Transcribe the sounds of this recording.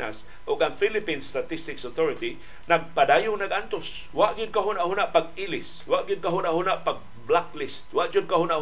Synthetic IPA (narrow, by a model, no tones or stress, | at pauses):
a̰s | ʔʊɡaŋfilɪpinst̪at̪ɪst̪ɪksot̪ʰoɹɪt̪i | naɡ̚padaːjʊŋnaɡʔant̪os | waʔɡɪd̪̚kaɦunaʔhunaʔpaɡilɪs | waʔɡɪd̪̚kaɦunaʔhunaʔpaɡ̚ | blaklɪst̪̚waʔt͡ʃʊd̪̚kahunaʔh